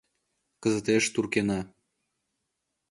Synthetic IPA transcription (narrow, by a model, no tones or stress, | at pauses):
kə̆zə̆t̪eʃt̪urkenɑ